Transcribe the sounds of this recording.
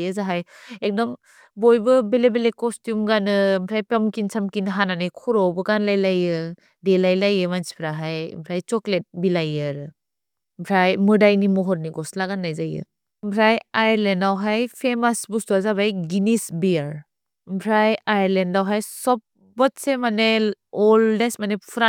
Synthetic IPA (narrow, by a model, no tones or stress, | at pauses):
jɯzaɦaj | ek̚dɔm | bojbɯbelebelekɔstjumɡanɯmpʰɾajpamkinsʰamkinɦananɯjkʰɔɾɔwbɯɡanlajlajɯ | delajlajɯmansi̥pʰɾaɦaj̰mpʰɾajt͡ʃɔklet̚bilajɯɾɯ | mpʰɾajmɯdajnimɔɦɔɾniɡɔslaɡanːajzajɯ̰ | mpʰɾajajɾlendawɦajpʰemasbustuazaβajɡinisbiaɾ | mpʰɾajajɾlendawɦajsɔp̚ | bɔt̚semane | ɔldesmanepʰɾa